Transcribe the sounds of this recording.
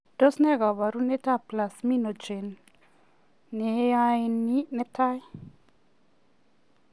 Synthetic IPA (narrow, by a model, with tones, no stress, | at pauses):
d̥ɔ˦snɛ˦ɡa˨βa˨ɾu˦nɛ˦ta˦˨pla˨smi˦no˨d͡ʒe˨n | ɛ˨˦ja˦ɪ˦ni˦nɛ˦ta˦j